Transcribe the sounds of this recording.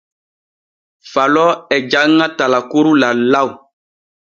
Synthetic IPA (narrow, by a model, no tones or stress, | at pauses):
falɔɛd͡ʒaŋãtalakoɾulalau